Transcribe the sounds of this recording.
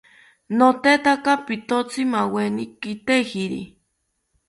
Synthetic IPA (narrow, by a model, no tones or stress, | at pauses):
not̪et̪akapit̪ot͡sʰimawenikit̪ehiɾḭ